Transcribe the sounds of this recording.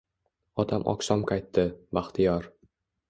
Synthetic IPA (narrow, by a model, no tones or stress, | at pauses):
ɒt̪ʰamʔɒ̰ksɒmqʰɑjt̪ːɪbaχt̪ʰɪjɒɾ